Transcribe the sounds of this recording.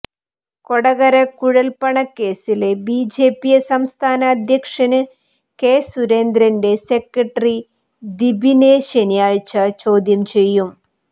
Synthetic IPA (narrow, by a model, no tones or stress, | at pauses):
koɽɐɣɐɾɐkuɻɐlpɐɳɐkːe̞ːsile̞biːd͡ʑe̞ːpːijesɐmst̪ʰaːnɐːd̪ʱjɐkʂɐnɨ | keːsuɾeːnd̪ɾɐnde̞sekːɐʈːɐri | d̪ibʱineːɕenijaːɻt͡ɕɐt͡ɕo̞ːd̪jɐmt͡ɕe̞jːum